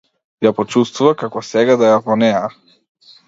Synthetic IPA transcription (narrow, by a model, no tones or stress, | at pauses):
japɔt͡ʃust̪vuvakakɔsɛɡad̪ajavɔnɛja